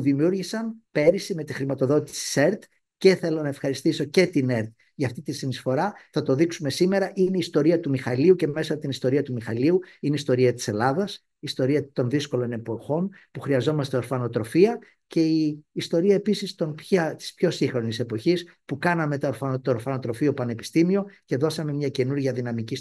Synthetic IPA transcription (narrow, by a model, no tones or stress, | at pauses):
puðimjuɾʝisɐnpe̞ɾisime̞t̪ixɾimɐt̪o̞ðo̞t̪i̥si̥seɾt̪ | ce̞θe̞lo̞nɐe̞fxɐɾist̪iso̞ce̞t̪ine̞ɾt̪̚ | ʝɐft̪it̪isinisfo̞ɾɐθɐt̪o̞ðiksume̞sime̞ɾɐʔine̞iːst̪o̞ɾiɐt̪umixɐliuce̞me̞sɐpot̪inist̪o̞ɾiɐt̪umixɐliuineist̪o̞ɾiɐt̪i̥se̞lɐðɐs | iːst̪o̞ɾiɐt̪o̞nðisko̞lo̞ne̞po̞xo̞npuxɾiɐzo̞mɐst̪e̞o̞ɾfɐno̞t̪ɾo̞fiɐ | ce̞iːst̪o̞ɾiɐe̞pisist̪o̞npçɐt̪i̥spço̞siŋxɾo̞nise̞po̞çis | pukɐnɐme̞t̪ɾfɐt̪oɾfɐno̞t̪ɾo̞fio̞pɐne̞pi̥st̪imio̞ce̞ðo̞sɐme̞mɲɐce̞nuɾʝɐðinɐmicis